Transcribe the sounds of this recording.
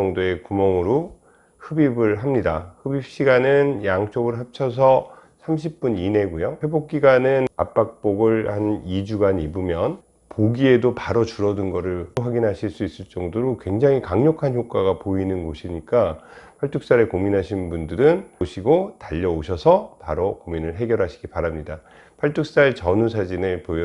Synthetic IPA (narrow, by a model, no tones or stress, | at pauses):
ʌŋdoe̞kumʌŋɯɾo | hɯbibɯɭɦamɲidahɯbip̚ɕ͈iɡanɯnjaŋt͡ɕ͈oɡɯɭɦap̚t͡ɕʰʌs̬ʰʌ | sʰamɕ̬ʰip̚p͈unine̞ɡojoɸwe̞bok̚k͈iɡanɯna̰p͈ak̚p͈oɡɯɭhanid͡ʑuɡanibumjʌn | poɡie̞dopaɾʌt͡ɕuɾʌdɯnɡʌɾɯɭɸwaɡinɦaɕʰiɭs͈uis͈ɯɭt͡ɕ͈ʌŋdoɾokwe̞ŋd͡ʑaŋikaŋɲʌkʰançjok͈aɡapoinɯnɡoɕʰiɲik͈apʰaɭtʰuk̚s͈aɾekominɦaɕʰinnbundɯɾɯnɕʰiɡotaʎːʌoɕʰʌsʰʌpaɾokominɯɭɦe̞ɡjʌɾɦaɕʰi̥ɡipaɾamɲida | pʰaɭtʰuk̚s͈aɭt͡ɕʌnusʰad͡ʑinepo